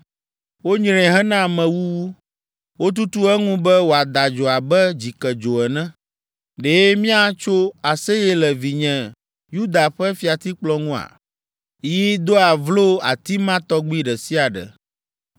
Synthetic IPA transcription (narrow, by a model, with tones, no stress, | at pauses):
wo˦ɲɾɛ̃˨ɦɛ˦nã˦˨mɛ̃˨wu˦wu˦ | wo˦t̪u˦t̪u˦ɛ˦ŋũ˦bɛ˦wo˨a˨d̪a˨d͡ʒo˨a˨bɛ˦d͡ʑi˨kɛ˨d͡ʒo˨ɛ˨nɛ̃˦ | ɖe˨˦mĩ˦a˦t͡ʃo˦a˨sɛ˦jɛ˦lɛ˨vi˨ɲɛ̃˨ | ju˦d̪a˨ɸɛ˦fi˨a˨t̪i˦k͡plɔ˦ŋũ˦a̰˨ | ji˦d̪o˦a˨vlo˦a̰˨t̪i˦mã˦t̪ɔ˦ɡ͡bi˦ɖɛ˨si˦a˨ɖɛ̰˨